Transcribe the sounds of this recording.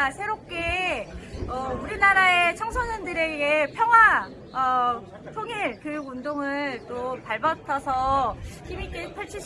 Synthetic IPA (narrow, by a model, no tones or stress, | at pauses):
sʰe̞ɾop̚k͈e̞ | ʌuɾinaɾae̞t͡ɕʰʌŋsʰonɯndɯɾe̞ɡe̞pʰjʌŋɦwa | ʌ | tʰoŋiɭkɯondoŋɯɭt͈opaɭbʌtʰʌsʰʌçimik͈epʰʌɭt͡ɕʰiɕ